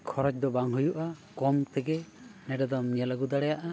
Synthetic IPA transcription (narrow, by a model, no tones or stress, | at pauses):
kʰɔɾɔt͡ʃd̪ɔbaŋɦujuʔa | kɔmt̪ɛɡɛ | nɛɖɛd̪ɔmɲɛlaɡud̪aɽɛjaʔa